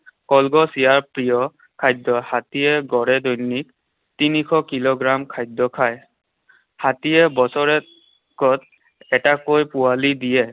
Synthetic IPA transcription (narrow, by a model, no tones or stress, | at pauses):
kɔlɡɔsijaɹpɹijɔ | kʰajdɔhatijɛɡɔɹɛdɔjnik̚ | tinikʰɔkiloɡɹamkʰajdɔkʰaj | hatijɛbɔsɔɹɛ | kɔt | ɛtakojpualidijɛ